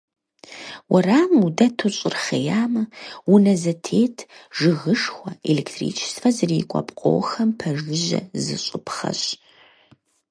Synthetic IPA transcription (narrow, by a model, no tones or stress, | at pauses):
wɐraːmudɐtʰoɕʼɪrχɐjaːmɐwʊnɐzɐtʰeːtʰʒɨɣɨʂxʷɐeleːktʰrḭːt͡ʃʰsfɐzɨrikʷʼɔ̰pqʷʼo̰ːxɐmpʰɐʒɨʒɐ̰zɨ̰ɕʼɪpχɐ̰ɕʼ